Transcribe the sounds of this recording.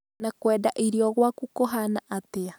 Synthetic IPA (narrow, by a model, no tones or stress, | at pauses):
nakwɛːdaʔiɾiɔɣwakukoɦanaʔatea